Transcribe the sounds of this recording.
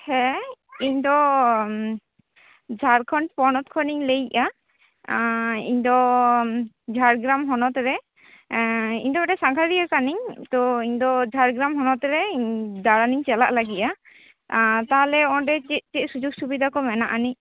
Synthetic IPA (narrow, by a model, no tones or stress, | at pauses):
hɛiɲd̪ɔ | d͡ʒʱaɾkʰɔɳpɔnɔt̪kʰɔniɲlejʔa | ḭɲd̪ɔ | d͡ʒʱaɾɡɾamɦɔnɔt̪ɾɛ | ḭɲd̪ɔʈɛsaŋkʰaɾiɛkaniɲt̪ɔiɲd̪ɔd͡ʒʱaɾɡɾamɦɔnɔt̪ɾɛd̪aɽaniɲt͡ʃɛlaʔlaɡiʔa | t̪aɦlɛɔɖɛt͡ʃiʔ̚tɛc̚sud͡ʒuɡsubid̪ʱakɔmɛnaʔaniɲ